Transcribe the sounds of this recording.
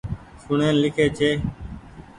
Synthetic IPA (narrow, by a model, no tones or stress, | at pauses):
sʊɳeːnlɪkʰeːt͡ʃʰeː